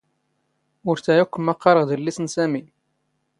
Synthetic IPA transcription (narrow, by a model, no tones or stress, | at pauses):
ʊɾθæjukːəmːɑqːɑɾˤəʁd̪əlːisənsæmi